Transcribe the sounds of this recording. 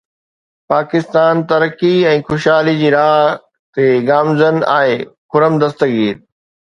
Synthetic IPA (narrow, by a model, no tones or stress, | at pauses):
paːkɪst̪aːnt̪ɐɾəkiɛ̃ːxʊʃaːlid͡ʑiːɾaːɦ | t̪eɡaːmzəna̰ːɦekʊɾəmd̪ɐst̪əɡiːɾ